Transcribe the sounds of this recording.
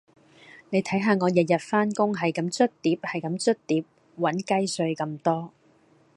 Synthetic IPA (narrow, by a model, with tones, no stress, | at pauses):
ne˨˧jt̪ʰɐ˨˥jɦaː˨˧ŋɔː˨˧jɐ˨jɐ˨t̚faː˥nkʊ˥ŋɦɐ˨jkɐ˨˦mt͡sɵ˥t̚t̪iː˨˥p̚hɐ˨˩jkɐ˨˧˦mt͡sɵ˥t̚t̪iː˨˥p̚ | wɐ˨˥nkɐ˥jsɵ˧ɥkɐ˧mt̪ɔː˥